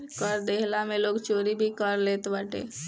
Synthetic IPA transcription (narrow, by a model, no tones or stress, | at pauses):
kəɾd̪eːɦlamẽloːɡt͡ʃoːɾibʱikəɾleːt̪bəʈḛː